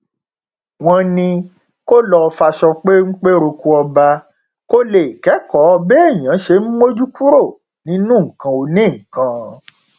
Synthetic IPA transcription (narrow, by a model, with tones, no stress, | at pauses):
w̃ɔ̃˧nĩ˧ | ko˦lɔ˧fa˧ʃɔ˧k͡pe˦ŋ͡m̩˦k͡pe˦ɾo˧ku˧ɔ˧ba˧ | ko˦le˨i˨kɛ˨˦kɔ˨˦ɔ˧bɛ˦e˦˨j̃ã˨˦ʃe˧˦m̩˦mo˦d͡ʒu˦ku˦ɾo˦˨ | nĩ˨˦nũ˦ŋ̩˨kã˧o˧nĩ˦˨ŋ̩˨kã˨